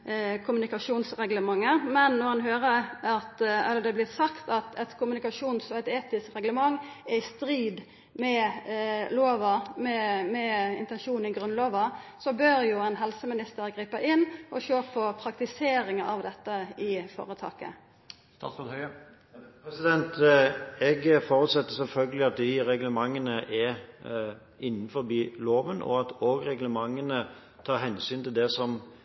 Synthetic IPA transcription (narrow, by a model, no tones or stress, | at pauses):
kʰʊmʉnɪkɑʂuːnsʁɛɡləmɑŋːəmɛnːɔʁhɑnɦøːʁəɑt̪ɑ̰ləd̪ɛblɪt̪sɑkt̪ɑt̪ʰɛt̪kʰʊmʉnɪkɑʂuːnsɔɛt̪eːt̪ɪskʁɛɡləmɑŋː | ɛɪst̪ɾiːd̪ | mɛ | loːʋəmɛmɛɪ̰nt̪ɛnʃuːnɪɡʁʉnloːʋəsɔbøːɾjʊɛnɦɛlsəmɪnɪst̪əɾɡɾiːpəʔɪnːʔɔʃøːpʰɔpʰɾɑkt̪ɪseːɾɪŋəɑʋd̪ɛt̪ːəɪfo̰ːʁət̪ʰɑ̰ːkə̰ | st̪ɑ̰sɔd̪hœʏə | pʰɾɛsɪd̪ɛnt̪ɛɡfɔːɾʉt̪sɛt̪ːəsɛlfœlɡəlɪɑt̪̚d̪ɪɾɛɡləmɑŋːənəʔɛɾ | ɪnːnfɔɾbiːloːʋənɔ̰ɑt̪oːɡʁɛɡləmɑŋːənə | t̪ʰɑːɾɦɛnsyːnt̪ɪld̪ɛsɔm